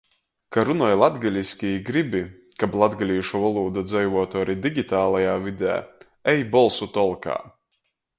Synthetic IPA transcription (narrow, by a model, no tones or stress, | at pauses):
kaɾunɔjlˠad̪ɡalʲiskʲiɡɾibʲi | kablˠad̪ɡalʲiːʃuvalˠuːd̪ad̪zɛjvuɔt̪ɔːɾid̪ʲiɡʲit̪aːlˠajaːvid̪ʲæ̰ː | ɛjbɔlˠsut̪ɔlˠka̰ː